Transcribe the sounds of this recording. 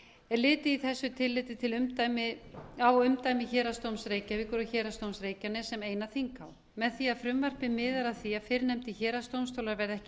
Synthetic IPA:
ɛɾlɪːt̪ɪiθɛsːʏt̪ʰɪlːɪːt̪ɪt̪ʰɪlʏmt̪ajmɪawʏmt̪aːjmɪçɛːɾast̪owmsɾeːjcavikʏɾʏçɛːɾast̪owmsɾeːjcanɪsɛmeːjnaθiŋkaw | mɛðθiaðfɾʏmvar̥pɪmɪːðaɾaðθiafɪɾnɛmt̪ɪçɛːɾast̪owmst̪ʰowlaɾvɛɾðɛhcɪ

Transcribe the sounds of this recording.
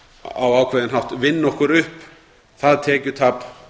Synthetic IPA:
awaːwkʰvɛðɪnɦaft̪vɪnːɔhkʏɾʏhp | θaðt̪ʰɛːcʏt̪ʰaːp

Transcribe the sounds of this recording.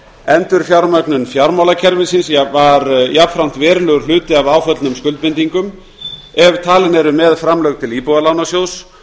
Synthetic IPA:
ɛnt̪ʏɾ̥fjawɾmœknʏnfjawɾmawlacʰɛɾvɪsinsjavaɾjapfɾawn̥t̪vɛːɾlʏɾ̥l̥ʏːt̪ɪavaːwfœt̪lnʏmskʏlt̪pɪnt̪iŋkʏm | ɛvt̪ʰaːlɪnɛɾʏmɛðfɾamlœɥɣt̪ʰɪliːpowɣalawnasjows

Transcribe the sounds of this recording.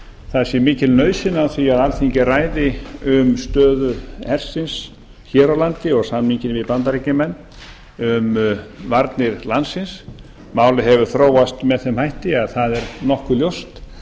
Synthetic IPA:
θaðsjɛmɪːcɪlnœːɥsɪnːaθviaðalθiɲcɪraːjðɪʏmst̪œːðʏhɛr̥sɪns | çɛːɾawlant̪ɪɔɣsamiɲcɪnvɪðpant̪aɾicɪmɛnː | ʏmvaɾt̪nɪɾlansɪns | maːwlɪɦɛvʏɾ̥θɾoːwast̪mɛðθɛmhajht̪ɪaðθaðɛɾnɔhkʏljowst̪

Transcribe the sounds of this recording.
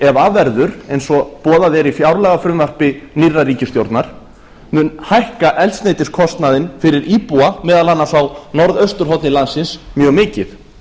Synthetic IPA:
ɛvaːvɛɾðʏɾejnsɔpɔːðaðɛɾifjawɾlɛɣafɾʏmvar̥pɪnirːariːcɪst̪jowɾt̪naɾ̥ | mʏnhajhkaʔɛlsneːjt̪ɪ̥skʰɔst̪naðɪnfɪɾɪɾʔiːpuamɛːðalanːasawnɔɾðœɥst̪ʏɾ̥ɦɔwt̪nɪlansɪnsmjœːɣmɪːcɪθ

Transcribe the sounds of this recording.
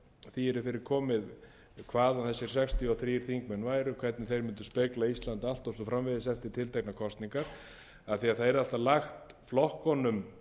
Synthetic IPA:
θiɛɾɪfɪɾɪɾ̥kʰɔːmɪð | kʰvaːðanθɛsːɪɾ̥sɛkst̪ʰjɔθɾiːɾ̥θiŋkmɛnvaːjɾʏkʰv̥ɛt̪nɪθejɾmʏnt̪ʏ̥spɪklaist̪lant̪al̥t̪ɔsɔfɾamvɪðɪsɛft̪ɪɾ̥t̪ʰɪlt̪ejknakʰɔst̪niŋkaɾ̥ | aθiaðθaðɛɾalt̪alaxt̪ | flɔhkɔnʏm

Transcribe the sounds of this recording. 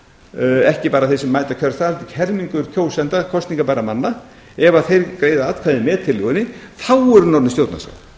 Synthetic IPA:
ɛhcɪpaːɾaθesɛmːaːjt̪acʰœɾθalt̪ɪcʰɛɾmiŋkʏɾ̥cʰoːwsɛnt̪akʰɔst̪niŋkapaːɾamanːa | ɛvaθejɾkɾeːjðaat̪kʰaðɪmɛːðt̪ʰɪlːʏɣɪnɪθawɛɾʏnɔɾnɪst̪joːwt̪na̰sa̰

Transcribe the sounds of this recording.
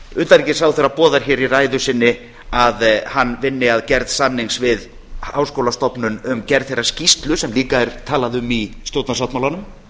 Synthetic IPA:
ʏnt̪aɾicɪ̥sawθɛjɾːapɔːðaɾ̥çɛːɾiraːjðʏsɪnːɪ | aðhanːvɪnːɪaðcɛɾðsanːiŋsvɪð | aːwskowlast̪ɔpnʏnʏmcɛɾðθejrːascist̪lʏsɛmliːkaɛɾt̪ʰaːlaðʏmist̪jowt̪nasawt̪mawlanʏm

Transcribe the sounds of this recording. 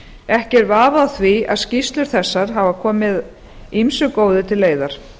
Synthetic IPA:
ɛhcɛɾvaːvaðθvia̰ðscist̪lʏɾ̥θɛsːaɾ̥ɦavakʰɔːmɪð | imsʏkoːwðɪt̪ʰɪlːeːjðaɾ̥

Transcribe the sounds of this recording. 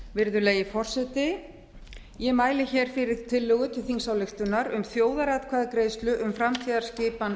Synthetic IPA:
vɪɾðʏleːjɪfɔr̥sɛt̪ɪ | jɛmaːjlɪçɛɾ̥fɪɾɪð̥t̪ʰɪlːœːɣʏt̪ʰɪlθiŋsawlɛxt̪ʏnaɾʏmθjoːwðaɾat̪kʰvaːðakɾejst̪lʏʔʏmfɾamt̪ʰiːðaɾ̥scɪːpan

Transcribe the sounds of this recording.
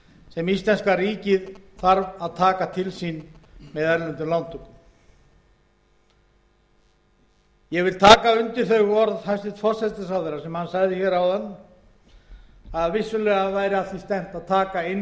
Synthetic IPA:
sɛmist̪ɛnskariːcɪðθaɾvaðt̪ʰaːkat̪ʰɪlsinmɛðɛɾlɛnt̪ɪɾlant̪ʰɔkʏ | jɛɣvɪlt̪ʰaːkaʏnt̪ɪ̥θœɥɣɔɾðhajst̪ɪt̪fɔr̥sɛst̪ɪsawðɪɾasɛmhansaɣðɪçɛːɾawðanː | aðvɪsːʏlɛːɣaðvaːjɾɪaθist̪ɛn̥t̪aðt̪ʰaːkaɪn

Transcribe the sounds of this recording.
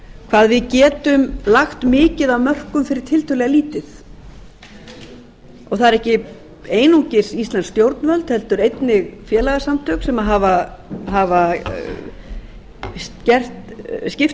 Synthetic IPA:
kʰv̥aːðvɪðcɛːt̪ʏmlaxt̪mɪːcɪðavmœr̥kʏmfɪɾɪ̥ɾ̥t̪ʰɪlt̪ʰœlɛɣaliːt̪ɪθ | ɔɣθaðɛɾɛhcɪ | eːjnuɲcɪ̥sist̪lanst̪jowɾt̪nvœlt̪hɛlt̪ʏɾejt̪nɪɣfjɛːlaɣasamt̪ʰœksɛmaɦavaɦava | scɛr̥t̪scɪft̪

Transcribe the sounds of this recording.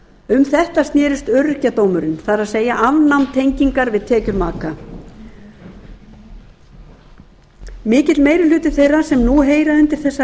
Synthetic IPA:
ʏmθɛht̪ast̪njɛːɾʏst̪œɾcat̪oːwmʏɾɪnθaɾaðseːjaʔavnawmnt̪ʰejɲciŋkaɾvɪðt̪ʰɛːcʏɾmaːka | mɪːcɪt̪lmeːjɾɪlʏːt̪ɪ̥θejrːasɛmnuɦeːjɾaʏnt̪ɪɾ̥θɛsːa

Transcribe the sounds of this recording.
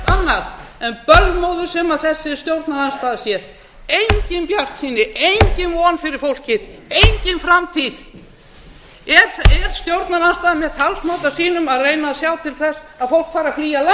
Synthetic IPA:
t̪anːaðɛnpœlmowðʏɾ̥sɛmaðθɛsːɪɛɾ̥st̪jowɾt̪naɾanst̪aːðasjɛɾ | ejɲcɪnpjar̥t̪siːnɪʔejɲcɪnvɔːnfɪɾɪɾ̥fowl̥cɪðejɲcɪnfɾamt̪ʰið | ɛɾɛɾ̥st̪jowɾt̪naɾanst̪aːðamɛ̥t̪ʰalsmawt̪asiːnʏmaðreːjnasjaːwt̪ʰɪlθɛsaðfowl̥kfaːɾafliːjala

